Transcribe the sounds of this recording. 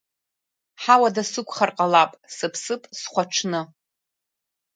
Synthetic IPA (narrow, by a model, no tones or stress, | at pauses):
ħawadasɨkʷʰʼχarqʼalapʼsɨpʰsɨpʼsχʷaʈ͡ʂʰnɨ